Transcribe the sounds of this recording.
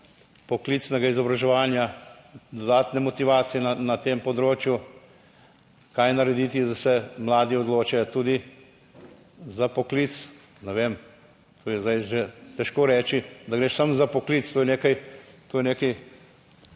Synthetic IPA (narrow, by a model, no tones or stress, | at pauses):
pɔklit̪snɛɡaizɔbɾɐʒɛʋaːnja | d̪ɔd̪aːt̪nɛmɔt̪iʋaːt̪sijɛnanat̪eːmpɔd̪ɾoːt͡ʃju | kajnɐɾɛd̪iːt̪izasɛmlaːd̪iɔd̪loːt͡ʃɛjt̪uːd̪i | zapɔkliːt̪s | nɛʋeːm | t̪ʰoːjɛzd̪ajʒet̪ɛʃkoːɾɛːt͡ʃid̪aɡɾeːʃsamzapɔkliːt̪st̪oːjɛneːkajt̪oːjɛneːki